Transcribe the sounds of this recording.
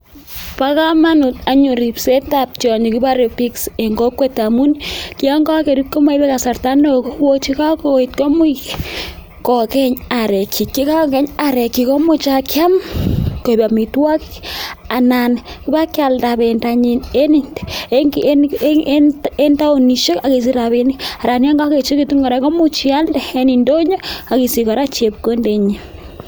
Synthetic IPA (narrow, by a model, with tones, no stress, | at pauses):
paka˦ma˦nʊ˨ta˨ɲu˨ɾi˨psɛ˦tap̚t͡ʃɔ˨ɲo˨ki˦ba˦ɾe˨pikse˨ŋɡo˦kwe˦tamu˦nki˦a˦ŋɡa˦ke˨ɾi˦kɔ˦ma˦ibɛ˦ka˨sa˨rta˦no˨ko˦wo˦t͡ʃi˦ka˦koit̚ko˦mʊ˦i | kɔ˨kɛ˦ɲa˨ɾɛkʰi˨kːi˦ka˦kɛ˦ɲaɾɛ˨ki˨kɔ˦mʊ˦t͡ʃa˦kja˦mko˨ba˨mi˨twa˦ki̥˦a˨na˨nki˦ba˦kja˨lda˨bɛ˨nda˨ɲi˨ne˦ni˦nd | e˦nta˦o˨ni˨ʃo˦ka˨ki˨s̬i˦ɾa˨βi˨ni˦a˨ɾa˨nja˦ŋɡa˦ke˨t͡ʃi˦kitu˦ŋa˨ɾɛ˨˦kɔ˦mu˦t͡ʃia˦ldɛ˨e˦ni˨ndo˦ɲo˦a˨ki˨si˨ka˨ɾa˦t͡ʃe˨p̚ko˦nde˨ɲi˦